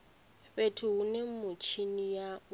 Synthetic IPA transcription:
betʰʊɦunemʊt͡ʃʰinija

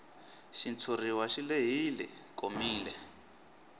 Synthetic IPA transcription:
ʃint͡sʰuriwaʃileɦilɛ̰komiːlɛ

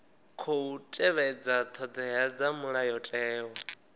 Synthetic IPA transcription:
kʰɔutʼɛβɛd͡zat̪ʰɔd̪ɛɦad͡zamuɺajɔtʼɛːwɔ

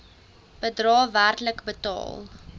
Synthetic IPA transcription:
b̥ədrɑːværtləkbətɑ̰ːlˠ

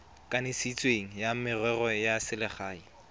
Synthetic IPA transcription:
kʼanɪsit͡sʼweŋ̩jamɪrwɛrɔjasɪlɪχaːi

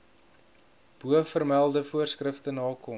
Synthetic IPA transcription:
b̥uəfərmælˠdəfuərskrəftənɑːkɔ

